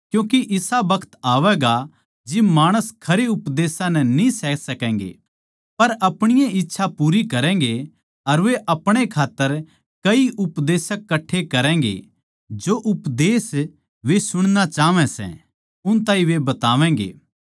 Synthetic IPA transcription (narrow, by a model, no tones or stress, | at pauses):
kjũːk̬iʔɪsabɐkʰə̥t̪aːʋɛɡa | d͡ʒɪmaːɽ̃əskʰɐɾeʊpd̪eːsãnɛnĩsɛːkʰsɐkɛ̃ːŋɡḛ | pɐɾʔɐpɽ̃ɪjãɪtːʃʰapuːɾikɐɾɛ̃ːɡe | ɐɾʋeʔɐpɽ̃ekʰaːt̪ːəɾ | kɐiʔʊpd̪eːsəkːɐʈʰːekɐɾɛ̃̆ːɡḛ | d͡ʒoʔʊpd̪eːs | ʋesʊɽ̃nat͡ʃaːʋɛ̃sɛ̰̃ | ʊnt̪ãːĩʋebɐt̪aːʋɛ̃ːŋɡḛː